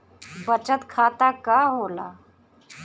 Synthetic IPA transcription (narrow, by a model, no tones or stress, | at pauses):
bət͡ʃət̪kʰaːt̪akaɦoːla̰